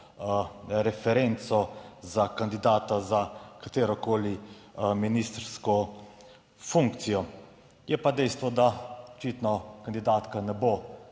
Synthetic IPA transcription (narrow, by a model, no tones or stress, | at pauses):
ɾɛfɛɾent̪sɔzakand̪id̪aːt̪azakat̪eːɾɔkoːliminist̪ɾskɔ | fuŋkt̪sijɔ | jɛpad̪ɛjst̪ʋɔd̪aɔt͡ʃiːt̪nɔkand̪id̪aːt̪kanɛbo